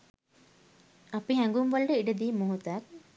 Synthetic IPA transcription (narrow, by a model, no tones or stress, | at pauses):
ɐpiɦæŋɡumʋɐɭɖəiɖed̪iːmoɦut̪ɐɐk̚